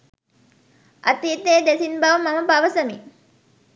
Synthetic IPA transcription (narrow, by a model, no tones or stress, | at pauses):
ʔɐt̪iːt̪eːd̪esinbaʋumɐməpaʋəsɐmi